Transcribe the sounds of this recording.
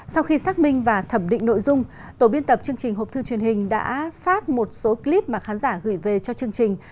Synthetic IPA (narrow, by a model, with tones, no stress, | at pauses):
sa˧wxi˧saː˦˥k̚mï˧ŋ̟vaː˨˩t̪ʰə˧˩mɗḭ˧˨ŋ̟no̰˧˨jzʊ˧ŋ͡m | t̪o˧˩ɓi˧ənt̪ə˨˩p̚t͡ɕɨ˧əŋt͡ɕï˨˩ŋ̟ɦo˨˩t̪ʰɨ˧t͡ɕwi˨˩ənhï˨˩ŋ̟ɗa̰ː˧˥faː˦˥t̚mo˨˩t̚so˨˦kli˦˥p̚maː˨˩xaː˨˦nzaː˧˩ɣɨ˧˩jve˨˩t͡ɕɔ˧t͡ɕɨ˧əŋt͡ɕï˨˩ŋ̟